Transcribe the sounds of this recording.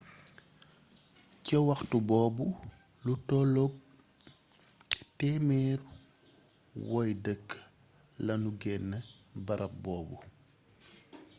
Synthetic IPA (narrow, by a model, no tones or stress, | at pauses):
cɐwɐxtubɔːbu | lutɔlɔb̚ | tɛːmɛːr | wɔjdəkː | lɐnuɡɛnːəbɐɾʔɐp̚bɔːbu